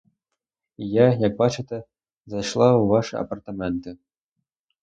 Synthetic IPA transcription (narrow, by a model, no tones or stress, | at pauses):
jajak̚bat͡ʃɨt̪ɛ | zajʂlˠawvaʂɨa̰pɐrt̪amʲɛnt̪ɨ